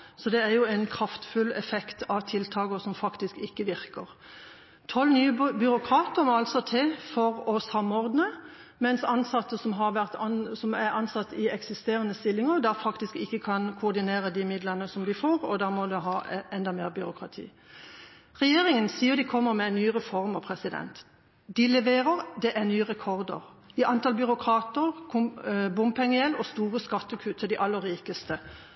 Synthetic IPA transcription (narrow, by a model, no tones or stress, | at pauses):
sɔd̪ɛæɾjʊɛnkʰɾɑft̪fʉlːɛfɛkt̪ʰɑʋt̪ʰɪlt̪ʰɑːɡəsɔmfɑkt̪ɪskɪkːəʋɪɾkəʁ | t̪ʰɔlnyːəbʏɾʊkʰʁɑːt̪əɾmɔɑlsɔt̪ʰeːfɔʁɔsɑmːɔʁd̪nə | mɛnsɑnsɑt̪ːəsɔmɦɑʁʋæʁt̪ɑnsɔmæɾɑnsɑt̪ːɪɛksɪst̪eːʁənəst̪ɪlːɪŋəʁd̪æʁfɑkt̪ɪskɪkːəkʰɑnkʰʊːʁd̪ɪneːɾəd̪ɪmɪd̪lənəsɔmd̪ɪfoːɾɔd̪æːɾmɔd̪ɛɦɑːɛnd̪ɑmeːʁbʏɾʊkʰɾɑt̪ʰḭː | ʁɛjeːɾɪŋənsiːəd̪ɪkʰɔmːəɾmɛɛnnyːɾɛfɔɾməpʰɾɛsɪd̪ɛ̰nt̪ | d̪ɪlɛʋeːɾəɾd̪ɛʔæɾnyːəʁɛkʰɔʁd̪ə̰ɾ | ɪʔɑnt̪ʰɑːlbʏɾʊkʰɾɑːt̪əɾkʰʊbʊmpʰɛŋːəɛlːɔst̪uːɾəskɑt̪ːəkʰʉːt̪ʰəd̪ɪʔɑlːəɾːiːkəst̪ə